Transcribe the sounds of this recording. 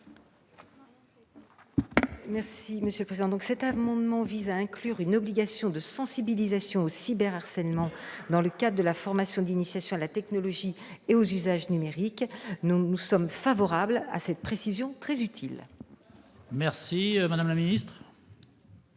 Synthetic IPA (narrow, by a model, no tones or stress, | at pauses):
mɛʁsiməsjøləpχezid̪ɑ̃d̪ɔ̃ksɛt̪amɑ̃d̪mɑ̃vizaɛ̃klyʁynɔbliɡʲasjɔ̃d̪əsɑ̃sibilizasjɔ̃osibɛʁaʁsɛlmɑ̃d̪ɑ̃ləkad̪ʁəd̪əlafɔʁmasjɔ̃d̪inisjasjɔ̃alat̪ɛknɔlɔʒieozyzaʒnymeʁiknnusɔmfavɔʁabla̰sɛt̪̚pχesizjɔ̃t̪χɛzyt̪ʰil | mɛʁsimad̪amlaminist̪χ